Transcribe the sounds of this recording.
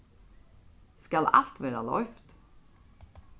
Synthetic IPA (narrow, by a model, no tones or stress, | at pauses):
skɑlɑ̰lt̪ʋeːɾɑlɔ̰ʏft̪